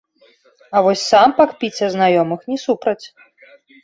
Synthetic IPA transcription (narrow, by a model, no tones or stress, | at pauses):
ɐvɔsʲsampakpʲit͡sʲɐznajɔmɨxnʲɛsupɾɐt͡sʲ